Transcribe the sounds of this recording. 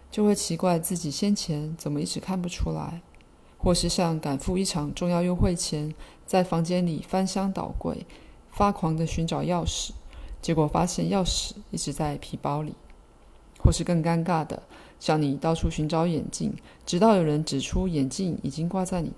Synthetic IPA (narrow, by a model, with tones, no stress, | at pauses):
t͡ɕjo˥˧ʊxwe˥˩ɪt͡ɕʰi˧˥kwa˥˧ɪt͡sɹ̩˥˩t͡ɕi˨˩ɕjɛ˥nt͡ɕʰjɛ˧˥nt͡sə˨˩nmə˦i˥˩ʈ͡ʂɻ̩˧˥kʰa˥˩npu˨˩ʈ͡ʂʰu˥la̰˧˥ɪ | xwɔ˥˧ʂɻ̩˥˧ɕjɑ˥˩ŋka˨˩nfu˥˧i˥˩ʈ͡ʂʰɑ˨˩ŋʈ͡ʂʊ˥˧ŋjɑ˥˧ʊjo˥ʊxwe˥˩ɪt͡ɕʰjɛ˧˥n | t͡sa˥˩ɪfɑ˧˥ŋt͡ɕjɛ˥nli˨˩fa˥nɕjɑ˥ŋt̪ɑ̰˨˩ʊkwḛ˥˩ɪ | fa˥kʰwɑ˧˥ŋd̪ə˧ɕy˧˥nʈ͡ʂɑ˨˩ʊjɑ˥˩ʊʂɻ̩˨˦t͡ɕjɛ˧˥kwɔ˨˩fa̰˥ɕjɛ˥˧njɑ˥˩ʊʂɻ̩˨˩˦i˥˩ʈ͡ʂɻ̩˧˥t͡sa˥˩ɪpʰi˧˥pɑ˥ʊlḭ˨˩˦ | xwɔ˥˧ʂɻ̩˥˧kɤ˥˩ŋka˥nka˥˩d̪ə̰˩ | ɕjɑ˥˩ŋni˨˩t̪ɑ˥˧ʊʈ͡ʂʰu˥˩ɕy˧˥nʈ͡ʂɑ˧˥ʊjɛ̰˨˩nt͡ɕḭ˥˩ŋ | ʈ͡ʂɻ̩˧˥t̪ɑ˥˩ʊjo˨˩ʊɻə˧˥nʈ͡ʂɻ̩˨˩ʈ͡ʂʰu˥jɛ˨˩nt͡ɕi˥˩ŋḭ˨˩t͡ɕi˥ŋkwa˥˧t͡sa˥˩ɪnḭ˨˩